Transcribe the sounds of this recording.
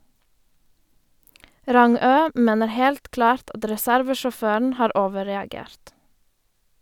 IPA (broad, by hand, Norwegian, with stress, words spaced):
ˈɾɑŋøː ˈmeːnəɾ ˈhɛlt ˈklɑːɾt ˈɑt ɾɛˈsæɾʋəʃɔˌføːɳ̩ ˈhɑːɾ ˈoːʋəɾɛɑˌɡeːɾt